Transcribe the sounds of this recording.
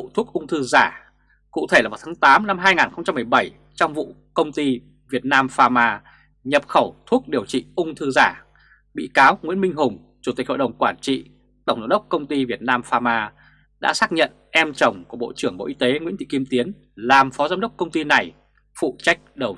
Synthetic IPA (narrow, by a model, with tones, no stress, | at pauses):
t̪ʰu˦˥ək̚ʔʊ˧ŋ͡mt̪ʰɨ˧zaː˧˩ | kṵ˧˨t̪ʰe˧˩aː˨˩vaː˨˩t̪ʰaː˨˦t̪aː˨˦mna˧mɦaː˧jŋaː˨˩nxə˧wŋ͡mt͡ɕa˧mːɨ˨˩əjɓə˧˩j | t͡ɕɔ˧wŋ͡mvṵ˧˨ | kə˧wŋ͡mt̪i˧ | vi˨˩ət̚naː˧mfaː˧maː˧ | ɲə˨˩p̚xə˧˩wt̪ʰu˦˥ək̚ɗi˨˩əwt͡ɕḭ˧˨ʔʊ˧ŋ͡mt̪ʰɨ˧zaː˧˩ | ɓḭ˧˨kaː˨˦wŋwi˧˥nmï˧ŋ̟ɦʊ˨˩ŋ͡m | t͡ɕu˧˩t̪i̟˨˩ho̰˧˨jɗə˨˩wŋ͡mkwaː˧˩nt͡ɕḭ˧˨ | t̪ə˧˩wŋ͡mza̰ː˧˨˦ɗə˦˥wk͡p̚kə˧wŋ͡mt̪i˧vi˨˩ət̚naː˧mfaː˧maː˧ | ɗa̰ː˧˥saː˦˥k̚ɲə̰˧˨n | ʔɛ˧mt͡ɕə˨˩wŋ͡mku˧˩əɓo̰˧˨t͡ɕɨ˧˩əŋɓo̰˧˨ʔi˧t̪e˨˦ŋḭ˧˥nt̪ʰḭ˧˨ki˧əmt̪i˨˦ən | laː˨˩mfɔ˨˦zaː˧wɗə˦˥k͡p̚kə˧wŋ͡mt̪i˧na˨˩j | fṵ˧˨t͡ɕa˦˥jk̟̚ɗə˨˩w